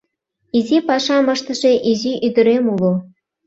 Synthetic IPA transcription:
izʲipɑʃɑmɤ̆ʃt̪ɤ̆ʒeʔiziʔyd̪ə̆ɾemulˠŏ

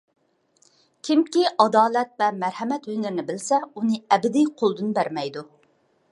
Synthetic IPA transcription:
kʲʰimkʲiʔɑd̪ɑːlɛt̪vɛmæɾhɛmɛt̪wønɪɾɪnɪbɪlsɛunɨɛbɪd̪ijqʰolˠd̪ɨnbæɾmɛjd̪u

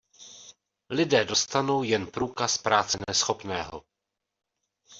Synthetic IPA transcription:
lɪdɛːdo̞st̪ano̞wjɛnpɾuːkaspɾaːt͡sɛnnɛsxo̞pnɛːɦo̰

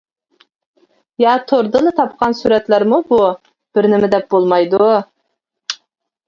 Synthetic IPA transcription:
jɑt̪ʰoɾd̪ɨnɨt̪ʰɑp̚qʰɑnsuɾɛt̪læɾmubu | b̥ɪɾnɪmɪd̪ɛp̚bolˠmɑjd̪u

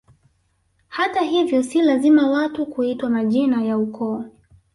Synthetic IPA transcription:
hataɦivjɔsilazimawatukuitwamaʄinajaukɔɔ

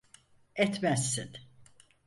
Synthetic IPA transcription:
ɛt̪mæsːin

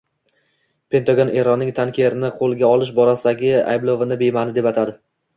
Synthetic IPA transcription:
pʰe̞nt̪ʰaɡonʔe̞ɾɒnːɪŋt̪ʰankʲʰeɾɪnɪqʰolˠɡʲaɒlˠɪʃ̬bɒɾasɪd̪aɡʲɪa̰jblˠovɪnɪbe̞jmanɪd̪epat̪ʰad̪ɪ

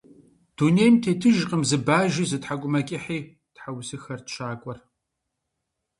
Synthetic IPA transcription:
d̥unejmtʰetʰɨʒqʼəmzɨbaːʒiːzɨtħakʷʼʊmɐkʲʼɪħiː | tħawsɨxɐrtʃaːkʷʼɔr

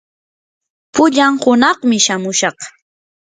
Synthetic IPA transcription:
pʊʎaŋhʊnɑχmɪʃamʊʃɑχ

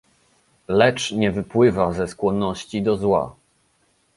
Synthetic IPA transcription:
lɛt͡ʂɲɛvɘpwɘvazɛskwɔnːɔɕt͡ɕid̪ɔzwa̰

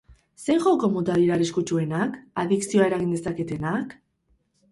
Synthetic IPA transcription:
sejʝokomot̪aðiɾareskut͡ʃue̞nakaðiksioae̞ɾaɣind̪e̞sake̞t̪e̞nak

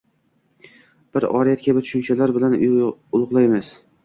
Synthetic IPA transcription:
b̥ɪɾɒ̰ɾijat̪̚kʲʰabɪt̪ʰʊ̥ʃʊnt͡ʃʰalaɾbɪlanʊlˠʊʁlˠajmɪz̥

